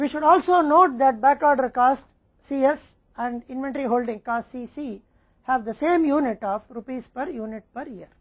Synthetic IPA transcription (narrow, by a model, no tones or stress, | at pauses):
ʋiːʃʊɖɔːlsoːnoːʈ̚d̪æʈ̚bækaːɾɖəɾkaːsʈː | iːes | ɛ̃ɳɖɪ̃nʋẽɳʈəɾiɦoːlɖɪ̃ŋkaːsʈsisi | hæʋd̪ɐsẽːmjuːnɪʈɔːʋɾupiːspɐɾjuːnɪʈ̚pəɾjiəɾ